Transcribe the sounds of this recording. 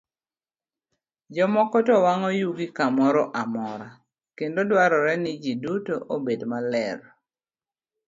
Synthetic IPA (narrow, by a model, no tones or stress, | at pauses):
d͡ʒɔmɔkɔtɔwaŋɔjuɡikamɔɾɔʔamɔɾa | kendodwaɾɔɾɛnɪd͡ʒidutoʔobedmalɛɾ